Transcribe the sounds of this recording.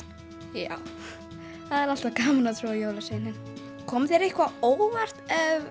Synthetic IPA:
ja̰w | θaðɛɾal̥t̪akaːmanat̪ʰɾuːajowlaseːnɪn | kʰɔmθɛɾehkvaoːwvar̥t̪ɛv

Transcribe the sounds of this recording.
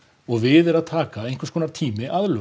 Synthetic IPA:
ɔɣvɪðɛɾaðt̪ʰaːkaejnŋ̥kvʏ̥ɾskʰɔːnaɾt̪ʰiːmɪʔaðlœ

